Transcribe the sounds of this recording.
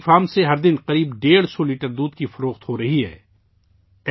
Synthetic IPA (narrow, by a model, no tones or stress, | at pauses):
faːmseɦɐɾd̪ɪnqɐɾiːbɖeːɽsɔliːʈəɾd̪uːd̪kifɐɾoːxt̪ɦoɾɐɦiɦɛ̰ː